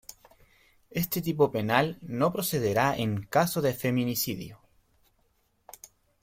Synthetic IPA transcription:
est̪et̪ip̬ope̞nalno̞pɾoseðeɾaeŋkasoðefe̞mĩnisiðjo

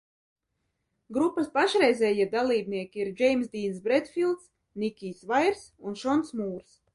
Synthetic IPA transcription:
ɡɾupːaspaʃɾɛjzʲɛːjiɛd̪alˠiːbniɛkʲiiɾd͡ʒɛjmsd̪iːnsbɾɛd̪filˠt̪s | nikʲiːsvajɾsunʃɔnsmuːɾs

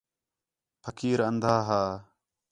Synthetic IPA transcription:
pʰəkʰiːɾənd̪ʱaːɦaː

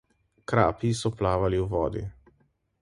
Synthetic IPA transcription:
kɾa̰ːpisɔplaːʋaliwʋɔ̰ːd̪ḭ

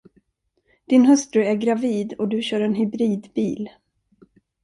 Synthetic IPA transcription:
d̪̥ɪnɦœst̪ɾɵæɾɡɾaviːd̪ɔd̪ɵɕœːɾɛnɦʏbɾiːd̪biːl

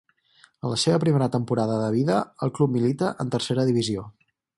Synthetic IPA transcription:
ənləseβəpɾimeɾət̪əmpuɾaðəðəβ̞iðəəlˠklup̚milit̪əʔənt̪ərseɾəðiβizio

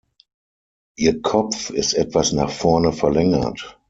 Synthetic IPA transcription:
ʔiːɐkʰɔp͡fɪstʔɛtv̥asnaːχfɔɐnəfɛɐlɛŋɐ̰t

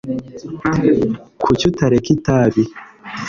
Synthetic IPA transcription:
kʰucutaɾekitaβi

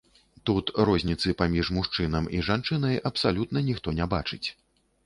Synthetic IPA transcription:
t̪ut̪ɾɔzʲnʲit̪sɨpamʲiʐmuʂt͡ʂɨnɐmiʐant͡ʂɨnɐjʔɐpsalʲut̪nɐnʲixt̪ɔnʲabat͡ʂɨt͡sʲ

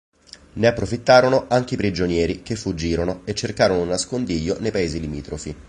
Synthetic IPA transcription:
neapːɾofit̪ːaːɾonoʔaŋk̟eipɾid͡ʒonjɛːɾik̟efːud͡ʒːiːɾonoet͡ʃːerkaːɾonounːaskond̪iːʎːonejpaeːzilimiːt̪ɾofi

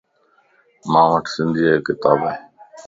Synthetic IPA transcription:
mãːʋəʈʰsɪ̃nd̪ʱiːeːkɪt̪aːbaẽː

